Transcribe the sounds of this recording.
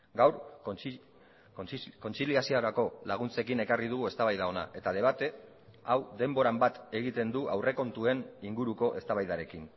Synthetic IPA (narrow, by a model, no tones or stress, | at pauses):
ɡawɾ | ko̞nt͡siliasiaɾako̞laɣ̞unt͡se̞kine̞kariðuɣue̞st̪aβajðao̞na̰ʔe̞t̪að̞e̞β̞at̪e̞ | awd̪e̞mbo̞ɾambat̪e̞ɣit̪e̞nd̪uawre̞ko̞nt̪ue̞niŋɡuɾuko̞ʔe̞st̪aβajðaɾe̞kin